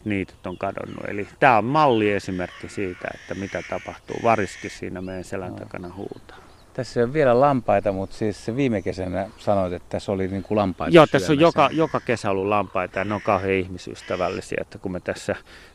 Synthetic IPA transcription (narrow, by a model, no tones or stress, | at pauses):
niːt̪y̥t̪oŋkɑdo̰nːṵḛlit̪æːommɑlːiesimerkːisiːt̪æ̰ḛt̪ːæmit̪æt̪ɑpɑht̪ṵːʋɑriskissḭːnæmeˑijænselænt̪ɑ̰ˑkɑ̰nɑhṵːt̪ɑ̥ː | t̪æsːeoʋʋielælɑmpɑit̪ɑmut̪siːsseʋiːmekesænæsɑnoit̪et̪ːæsoliniːŋkulɑmpɑijoːt̪æːojjokɑjokɑkesæolːullɑmpɑit̪ɑjɑneoŋkɑheihmisy̰st̪æʋælːisiæ̰ot̪ːækummet̪æsːæ